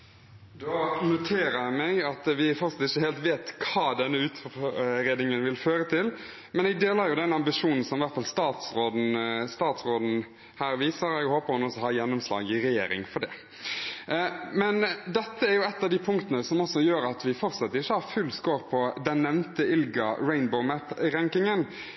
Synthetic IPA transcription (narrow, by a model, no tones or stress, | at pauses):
d̪oːnʊt̪ʰeːɾəjæmɛɡɑt̪ʋɪfɔɾsɑt̪ːɪçːəheːlt̪ʋeːt̪kʰɑːd̪ɛnːəʉːt̪ɔɾeːd̪nɪŋənʋɪlføːɾət̪ʰɪl | mɛnɛɡ̚d̪eːləɾjʊd̪ɛnɑmbɪʂuːnn̩sɔmʋæɾt̪fɑlst̪ɑːt̪sɾoːd̪n̩st̪ɑːt̪sɾoːd̪n̩ | hæːɾʋiːsəɾɛɡhoːpəɑnɔsɔhɑːjɛnːʊmslɑ̰ːɡɪɾɛjeːɾɪ̰ŋfɔɖ̪ɛ̰ | mɛnd̪ɛt̪ːəæɾjʊɛt̪ːɑʋd̪ɪpʰʊŋkt̪ənəsɔmɔsːɔjøːɾɑt̪ʋɪfɔʁsɑt̪ːɪçːəhɑɾfʉlskoːɾpʰɔd̪ɛnːɛʋnt̪əɪlɡɑɾæɪnbəʊmæt̪ɾɛŋkɪŋən